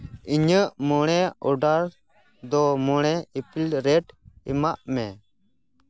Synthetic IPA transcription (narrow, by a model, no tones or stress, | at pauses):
iɲəʔmɔɽ̃ɛɔɖaɾ | d̪ɔmɔɽ̃ɛipilɾɛʈimaʔmɛ